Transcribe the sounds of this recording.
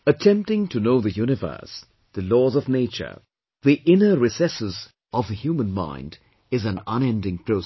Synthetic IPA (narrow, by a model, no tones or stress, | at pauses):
ətʰɛ̃mp̚tɪ̃ŋtunoʊðɨjunɪvə̰˞s | ðəlɔːzɔvneɪt͡ʃə̰˞ | ðiʔɪ̃nəɾisɛsɪz | ɔvðəhjuːmə̃nmã̰ɪ̃nd | ɪzæ̃nə̃nɛ̃ndɪ̃ŋpʰɾ̥oʊs